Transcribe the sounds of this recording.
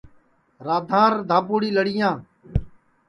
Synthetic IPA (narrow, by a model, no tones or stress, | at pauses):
ɾaːd̪ʱãːɾd̪ʱãːpuːɽiːləɽɪjãː